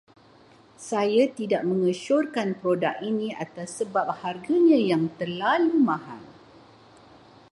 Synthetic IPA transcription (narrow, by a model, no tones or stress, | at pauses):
sajat̪idaʔ̚mə̃ŋəʃɔrkanpɾodakiniat̪asːəbap̚harɡaɲãjaŋt̪ərlalumãɦa̰ŋ